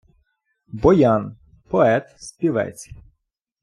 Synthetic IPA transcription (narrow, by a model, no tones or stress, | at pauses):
bɔjɑn | pɔɛt̪spʲiʋɛ̰t͡sʲ